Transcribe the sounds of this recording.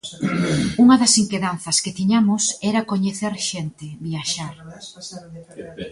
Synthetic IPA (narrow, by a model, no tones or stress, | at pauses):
uŋɐðɐsiŋkeðanθɐsket̪iɲamʊsɛɾɐkoɲeθeɾʃɛnt̪ɪβiaʃaɾ